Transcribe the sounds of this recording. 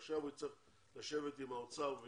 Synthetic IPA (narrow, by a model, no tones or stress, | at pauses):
χʃavit͡seχ | laʃe̞vet̪imaot͡save